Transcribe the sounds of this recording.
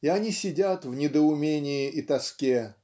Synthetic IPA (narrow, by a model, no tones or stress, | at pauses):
iɐnʲisʲɪdʲat̪vnʲɪd̪əʊmʲenʲɪjɪʔit̪ɐskʲe